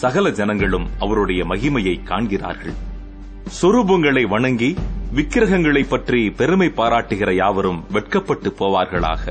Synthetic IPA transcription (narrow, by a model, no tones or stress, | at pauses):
sɐɣɐlɐd͡ʒɐnɐŋɡɐɭɯmʔɐʋɐɾɯɽɐjɐmɐɣɪmɐjɐɪkːaːɳɣɪra̰ːɾɣɐɭ | sɔɾubɐŋɡɐɭɐɪʋɐɳɐŋɡiʋɪkːɪɾɐɣɐŋɡɐɭɐɪpːɐʈripɛɾɯmɐɪpːaːɾaːʈːɯɣɪrɐjaːʋɐɾɯmʋɛʈ̚kɐpːɐʈːɯpːoːʋaːɾɣɐɭa̰ːɣɐ